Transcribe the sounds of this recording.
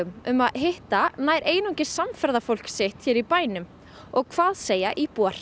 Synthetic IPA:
ʏmʏmaðɦɪht̪anaːjɾʔeːjnɔcɪ̥samfɛɾðafowl̥ksɪht̪çɛːɾipaːjnʏm | ɔɣkʰv̥aːðseːjaʔipuar̥

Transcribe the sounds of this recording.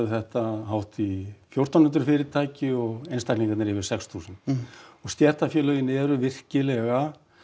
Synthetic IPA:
ɪθɛht̪aɦawht̪ifjowr̥t̪awnʏnt̪ɾ̥fɪɾɪɾt̪ʰaːcɪɔɣejnst̪ajkliŋkvɛt̪nɾɪvɪɾ̥sɛkst̪ʰusɪnt̪ɔɣst̪jɛr̥t̪afjœːlœːjɪnɪɛɾʏvɪr̥cɪlɛɣa

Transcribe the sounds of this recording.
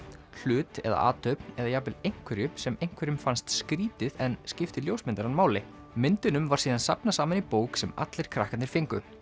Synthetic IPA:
l̥ʏːt̪ɛ̰ða̰a̰ːt̪ʰœɥpnɛðajaːpɪlejŋ̥kʰvɛɾjʏsɛmejŋ̥kʰvɛɾʏmfanst̪skɾiːt̪ɪðɛnscɪft̪ɪljowsmɪnt̪aɾanmaːwlɪ | mɪnt̪ɪnʏmvaɾ̥siːðansapnasaːmanipoːwksɛma̰t̪lɪɾ̥kʰɾahkanɪɾ̥fɪŋkʏ

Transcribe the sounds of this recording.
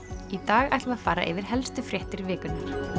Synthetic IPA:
it̪aːɣa̰jt̪vaðfaːɾa̰ʔɪ̰vɪɾ̥ɦɛlst̪ʏfɾjɛht̪ɪɾvɪːkʏnnaɾ̥

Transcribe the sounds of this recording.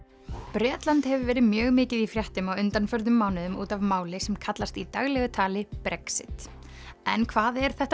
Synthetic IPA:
pɾɛːt̪lant̪hɛvɪvɛːɾɪðmjœːɣmɪːcɪðifɾjaht̪ʏmaɣʏnt̪anfœɾðʏmːawnɪðʏmuːt̪avmaːwlɪsɛmkʰat̪last̪it̪aɣlɛɣʏt̪ʰaːlɪpɾɛksɪ̰t̪ | ɛnkʰvaːðɛɾ̥θɛht̪

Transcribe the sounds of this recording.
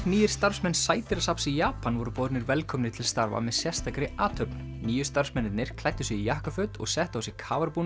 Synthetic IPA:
niːjɪ̥st̪aɾ̥fsmɛnːssaːjt̪ɪɾasapsijaːpanvɔɾʏpɔːðt̪nɪɾvɛlkʰɔmnɪt̪ʰɪlst̪aɾva̰mɛðsjɛ̥st̪akɾɪaːt̪ʰœpn | niːjʏ̥st̪aɾfsmɛnːɪt̪nɪɾ̥kʰlajt̪ːʏsɛɣijahkafʏt̪ɔ̰ɣsɛht̪awsɪkʰaːvaɾpun

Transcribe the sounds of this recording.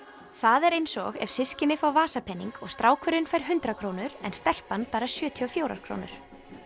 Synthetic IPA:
θaðɛɾejnsɔ̰ɣɛ̰v̥sɪscɪnɪfawvaːsapʰɛnːiŋkɔɣst̪ɾʔaːwkʰœɾɪnfajɾ̥ɦʏnt̪ɾakʰɾownʏɾɛnst̪ɛl̥panːpaːɾasjœːt̪ʰiɔfjoːwɾa̰ɾ̥kʰɾo̰ːwnʏ̰ɾ̥

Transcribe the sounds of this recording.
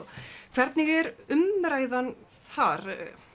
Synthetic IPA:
kʰv̥ɛɾt̪niɣɛɾʏmɾaːjðan | θaɾ

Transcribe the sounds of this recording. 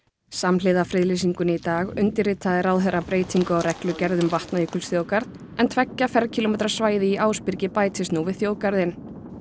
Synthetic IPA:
samlɪːðafɾɪðlis̬iŋkʏnɪit̪aːɣʏnt̪ɪɾrɪt̪ʰaðɪɾawðɦɛɾapɾeːjt̪ʰiŋkʏawɾɛklʏcɛɾðʏmvaht̪najiːkʏlsθjoːwkaɾðt̪ | ɛnt̪ʰvɛcːafɛɾcʰilomɛːt̪ɾasvaːjðɪiʔaːwspɪɾcɪpaːjt̪ʰɪst̪nuvɪðθjoːwkaɾðɪn

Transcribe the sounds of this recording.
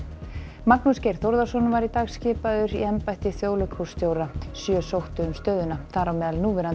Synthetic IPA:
maknʏscejɾ̥θowɾðasɔnːʏvaɾit̪aːɣscɪːpaðʏɾḭɛmpajht̪ɪθjoːwlɪkʰowst̪joːwɾasjœːsowht̪ʏʏmst̪œːɥðʏnaθaɾawmɛːðalnuːvɛɾa

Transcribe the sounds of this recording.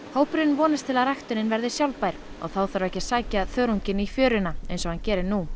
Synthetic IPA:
hoːwpɾɪnvɔːnɪst̪ʰɪlaðɾajxt̪ʏnɪnvɛɾðɪsjawlpajɾ̥ɔ̰ɣθawθaɾvɛhcḁsaːjcaθœːɾuɲcɪnifjœːɾʏnaḛjnsɔhancɛːɾɪɾnu

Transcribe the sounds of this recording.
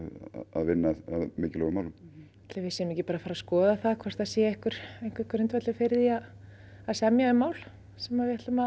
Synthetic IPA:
aðvɪnːaaðmɪːcɪlɔɣʏmawlʏm | at̪lɛvɪsɛnʏmɛcɪpaːɾafaːɾaskɔːðaθaðkʰvɛr̥t̪aðsjɛɛhkʏɾ̥ejhŋ̥kvɛhkʏɾʏnt̪vɛt̪lʏfɪɾðiað | aðsɛmjaʏmːaːwl̥ | sɛmavɪhɛt̪ʏma

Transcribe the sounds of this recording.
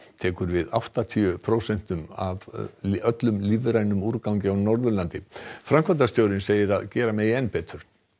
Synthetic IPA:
t̪ʰɛːkʏɾvɪða̰wht̪at̪ʰiʏpʰɾowsɛn̥t̪ʏma̰vœt̪lʏmlivɾajnʏmuɾkawɲcɪawnɔɾðʏɾlant̪ɪfɾamkvant̪ast̪joːwɾɪnseːjɪɾaðcɛːɾamɛðiɛnpɛːt̪ʏɾ̥

